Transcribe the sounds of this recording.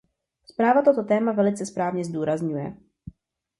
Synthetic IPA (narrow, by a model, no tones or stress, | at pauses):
spɾaːvat̪o̞t̪o̞t̪ɛːmavɛlɪt͡sɛspɾaːvɲɛzduːɾazɲujɛ̰